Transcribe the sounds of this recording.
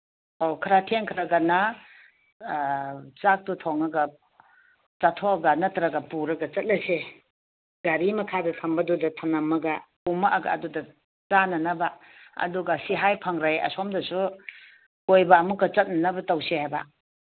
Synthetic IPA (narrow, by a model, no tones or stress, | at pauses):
okʰɐɾatʰeŋkʰɾɐɡɐnɐ | t͡ʃak̚tutʰoŋɐɡɐ | t͡ʃɐtʰoɐɡɐnɐtɾɐɡɐpuɾɐɡɐt͡ʃɐt̚nɐse | ɡaɾimɐkʰadɐtʰɐmbɐdudɐtʰɐnɐmːɐɡɐ | umɐʔaɡa̰ːdudɐ | t͡ʃanɐnɐbaɐ̰duɡasiɦajpʰɐŋɾajɐ̰somdɐsu | kojbamuɡɐt͡ʃɐt̚nɐnɐbɐtɐwsehajba̰